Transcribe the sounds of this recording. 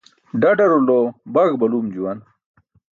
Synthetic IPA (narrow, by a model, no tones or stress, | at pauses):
ɖɐɖɐɾulobɐɡbɐlumd͡ʑuwɐn